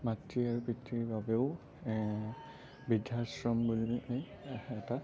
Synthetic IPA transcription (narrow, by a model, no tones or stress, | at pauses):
matːiaɹupitːibabeʊ | bidʱjasɹɔmbul | ɛta